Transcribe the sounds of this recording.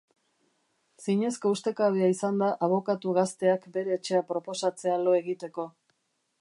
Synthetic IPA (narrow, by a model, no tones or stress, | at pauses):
siɲe̞sko̞ust̪e̞kaβeaisand̪aʔaβ̞o̞kat̪uɣast̪e̞akbe̞ɾe̞ːt͡ʃe̞apɾo̞po̞sat͡se̞alo̞e̞ɣit̪e̞ko̞